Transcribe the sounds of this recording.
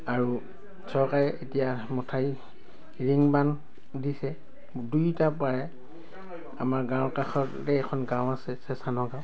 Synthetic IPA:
aɹu | sɔɹkaɹɛʔetijamɔtʰaj | ɹiŋban | disɛ | dujtapaɹɛ | a̰maɹɡãwkaxɔtː | ɛɛkʰɔnɡãw̃asɛsɛsanɔɡãw̃

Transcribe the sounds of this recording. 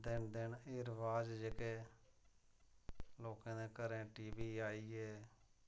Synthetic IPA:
d̪ɪnd̪ɪnɪɾʋaːd͡ʒd͡ʒekeː | loːkãːneːkəɾẽːʈiːʋiːaːiːeː

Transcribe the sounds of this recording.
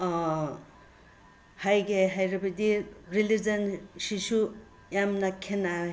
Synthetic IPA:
hajɡeɦajɾabɐdiɾilid͡ʒɐnsisu | jamnakʰena

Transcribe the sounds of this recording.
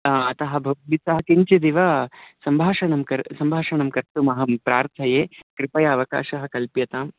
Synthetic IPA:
ɐt̪ɐɦɐ̆bʱɐɡ̚ʋisɐɦɐkiɲt͡ʃid̪iʋɐsɐmbʱaːʃɐɳɐmkɐɾsɐmbʱaːʃɐnɐmkɐɾt̪umɐɦɐmpɾaːɾt̪ʰɐjeːkɾɪpɐjɐːʋɐka̰ːʃɐɦɐkɐlpjɐt̪aːm

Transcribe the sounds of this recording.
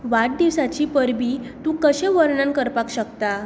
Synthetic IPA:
ʋaʈ̚d̪iʋsat͡ɕipəɾbiːt̪ũkəɕẽʋəɾɳãnkəɾpakɕəkt̪a

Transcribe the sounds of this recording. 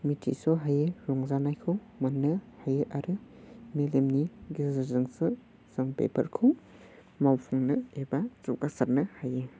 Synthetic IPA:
mitʰḭsɔɦajeɾɔŋzanajkʰɯw | manːɯhajɯʔaɾɯmelemniɡizɾzɐnsɯ | z̥ɯŋpḛpʰɐ̰ɾkʰɯw | mawpʰuŋnɯebat͡ʃukasaɾnɯhaje

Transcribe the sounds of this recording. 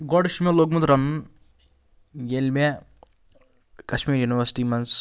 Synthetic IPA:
ɡɔɖʃmẽloːɡmunt̪ɾɐmɐn | jelme | kɐʃmiːɾjuniʋɐsi̥ʈiːmɐns

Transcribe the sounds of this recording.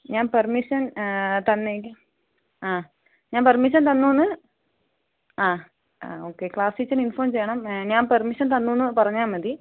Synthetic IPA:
ɲaːnpɐrmiʂɐnt̪ɐnːek̬ʲːɐ | aː | ɲaːnpɐrmiʂ̬ɐnt̪̬ɐnːuːnːɨ | aː | aoːkːekɭaːsit͡ɕːɐninfoːmt͡ɕejːɐɳɐmɲaːnpɐrmiʂɐnt̪ɐnːuːnːɨpɐrɐɲːaːmɐd̪i

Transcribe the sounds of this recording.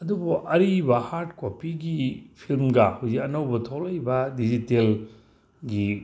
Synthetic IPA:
ɐdubuʔɐɾibɐhaɾtkopiɡipʰilmɡɐhawzikɐnɐwbɐtʰolɐjbɐdid͡ʒitel | ɡi

